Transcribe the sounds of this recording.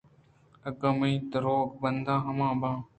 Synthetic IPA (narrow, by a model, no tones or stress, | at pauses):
əɡəmĩːd̪əɾoːɡbənd̪aːɦəmãːbãː